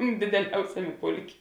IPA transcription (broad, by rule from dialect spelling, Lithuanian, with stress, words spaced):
dʲɪdʲɛˈlʲɛʊsʲɛmʲeː ˈpʊlʲˌkʲeː